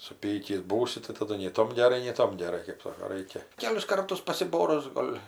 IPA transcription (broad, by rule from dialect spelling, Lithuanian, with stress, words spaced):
sʊˈpʲiːkʲiːs ˈbuːsʲɪ tɐɪ tɐˈdʊ nʲɛɪ ˈtoːm ɡʲɛˈrɐɪ nʲɛɪ ˈtoːm ɡʲɛˈrɐɪ kɜp ˈsoːkoː ˈrɐɪkʲɛ ˈkʲæːlʲɪs ˈkɐrtʊs pɐsʲɪˈboːrʊs ˈɡoːlʲ